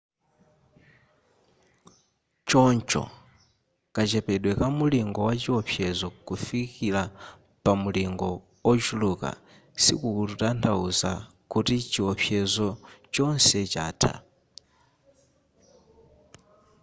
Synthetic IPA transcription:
t͡ʃɔnt͡ʃɔ̰ | kʼat͡ʃɛpɛɗwɛkamuliŋɡɔwat͡ʃiɔpʰjɛzɔkufikila | pamuliŋɡɔ | ɔd͡ʒuluka̰ | sḭkuututantʰauza | kutit͡ʃiɔpʰjɛzɔt͡ʃɔnsɛt͡ʃa̰ːtʰa̰

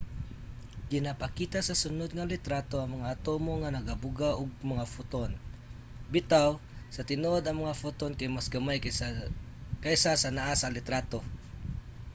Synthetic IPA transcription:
ɡɪnapakiːt̪asɐsʊnod̪̚ŋalɪt̪ɾat̪oɐŋmɐŋaːt̪omoŋanɐɡabʊɡaʔʊɡ̚mɐŋafʊt̪on | bɪt̪aw | sɐt̪ɪnoʔod̪ɐŋmɐŋafʊt̪onkajmasɡɐmaj | kajsasanaʔasalɪt̪ɾat̪o

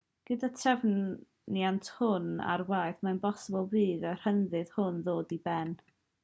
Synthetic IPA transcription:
ɡ̥ədatʰrɛvn | niantʰhʊna̰rwajθmaənbɔsəbəlˠviːðar̥hənðɨð̥hʊnðoːdibɛn

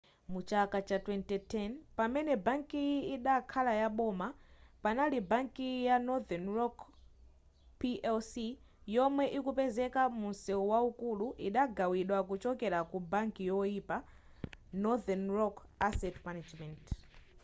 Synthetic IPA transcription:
mut͡ʃakat͡ʃatwɛntitʰɛnpamɛnɛbaŋkiiɗakʰalajaɓɔmapanalibaŋkijanɔðɛnɹɔk | piʔɛlsi | jɔmwɛʔikupɛzɛkamunsɛwaukuluʔiɗaɡawiɗwakut͡ʃɔkɛɾakubaŋkijɔipa | nɔðɛnɹɔkasɛtmanad͡ʒmɛnt

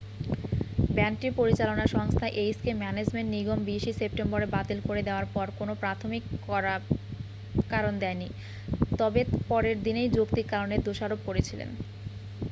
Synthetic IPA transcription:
bɛnkʈiɾpoɾit͡ɕalonaɾʃɔŋst̪ʰaʔejskemɛned͡ʑmeɳʈniɡombiʃisep̚ʈemboɾebat̪ilkoɾed̪eoaɾpɔɾkonopɾat̪ʰomikɔa | kaɾond̪ɛeni | t̪ɔbepɔɾeɾd̪inejd͡ʑokt̪iɾkaɾoned̪oʃaɾob̚koɾet͡ɕʰilḛn

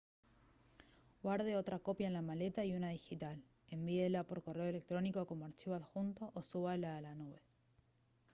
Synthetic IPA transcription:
ɡwaɾð̞eo̞t̪ɾako̞pjaenlamale̞t̪aiunaðixit̪al | e̞mbielapo̞ɾko̞reoele̞k̚t̪ɾo̞niko̞ko̞moaɾt͡ʃiβaðxunt̪oʔosuβalaːlanuβe̞

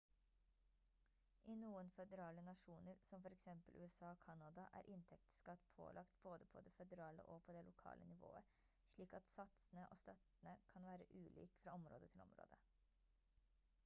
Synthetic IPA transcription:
ʔɪnuːənfœd̪əɾɑːlənɑʂuːnəɾsɔmfɔɾɛksɛmpəlʔʉːɛsɑːɔkʰɑnɑd̪ɑʔæ̰ːɾʔɪnt̪ʰɛk̚t̪skɑt̪ːpʰo̰ːlʔɑkt̪boːd̪əpʰɔ̰d̪ɛfɛd̪əɾɑːlə̰ʔɔpʰɔd̪ɛlʔʊkʰɑ̰ːlʔə̰nɪʋo̰ːə | ʂɭiːkɑt̪sɑt̪snəʔoːst̪ɑt̪nəkʰɑnʋæːɾəʔʉːlḭːkfɾɑːɔmɾo̰ːd̪ət̪ʰɪlɔ̰mɾo̰ːd̪ə

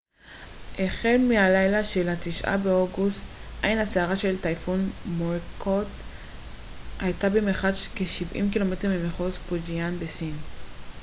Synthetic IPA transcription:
ʔeχelmealajlaʃe̞latiʃʔa̰beoɡust̪ʔajnhaseaʁaʃe̞ltajfunmolkʰot | hajtabemeχaʃkeʃivʔḭmkilo̞me̞tmimeχospod͡ʒianbesin

